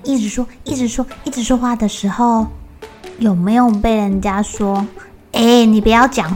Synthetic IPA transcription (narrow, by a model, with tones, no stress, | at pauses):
i˥˩ʈ͡ʂɻ̩˧˥ʂwɔ˥i˥˩ʈ͡ʂɻ̩˧˥ʂwɔ˥i˥˩ʈ͡ʂɻ̩˧˥ʂwɔ˥xwa˥˩d̪ə˩ʂɻ̩˧˥xo˥˨ʊ | jo˨˩ʊme˧˥ɪjo˨˩pe˥˩ɪɻə˧˦nt͡ɕja˥ʂwɔ˥ | e˥˩ni˨˩pu˨˩jɑ˥˩ʊt͡ɕjɑ˨˩˦ŋ